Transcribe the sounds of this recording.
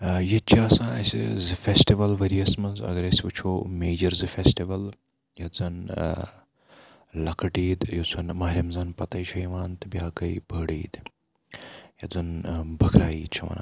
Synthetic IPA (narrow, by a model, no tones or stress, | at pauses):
jɐt͡ʃʰiɐsãːnɐsḭzɨfesʈiʋɐlʋɐɾiɐsmɐnzɐ̰ɡɐɾɐsʋət͡ʃʰomeːd͡ʒɐɾzɨfesʈiʋɐl | jɐd͡zɐn | lɐkʰɐʈiːd̪jot͡sʰɐnmaɦɾʲɐmzɐnpɐt̪ɐjʃɐjʋaːnt̪ɨbjaːkɐibʱəɽiːd̪ | jɐd͡zɐnbʱəkɾaːjiːt͡ʃʰɐʋɐ̰na̰